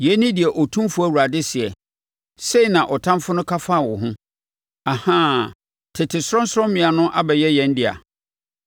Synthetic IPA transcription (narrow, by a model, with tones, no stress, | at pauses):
jɛ˦nĩ˦dɪ˨ɛ˨ʔɔ˨tʰũ˦mfʊ˦æ˦˨wu˨ɾa˨dɪ˦sɪ˨ɛ˨ | se˦i˨nã˨ʔɔ˨tʰã˦mfʊ˦nʊ̃˦kʰa˦fa˦˨wɔ˨ɦʊ̃˦ | a˨hã˦ | tʰɪ˨tʰɪ˨sʊ˦ɾɔ˦n˦sɔ̃˦mĩ˨a˨nʊ̃˦ʔa̰˦bɛ˨jɛ˦jɛ̃˨n˦dɪ˨a̰˨